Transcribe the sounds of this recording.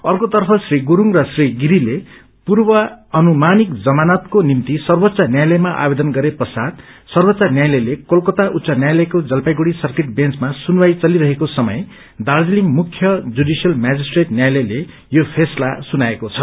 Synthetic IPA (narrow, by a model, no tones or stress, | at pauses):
ʌrkot̪ʌrpʰʌsriɡuɾuŋrʌsriɡiɾile | purbʌʌnumanikd͡zʌmanʌt̪konimt̪isʌrbot̪ːsʌnjajlʌjmaʔa̰bed̪ʌnɡʌɾepʌsad̪ | sʌrbʌt̪ːsanjajlʌjlekolkʌt̪aʔut̪sʌnjajlʌjkod͡zʌlpajɡuɽisʌrkeʈbẽnt͡smasunwajt͡sʌliɾʌɦekosʌmʌ̰j | d̪ard͡ziliŋmukʰjʌd͡zudisijʌlmad͡zisʈreʈnjajlʌjle | jopʰeslasunaekot͡sʰʌ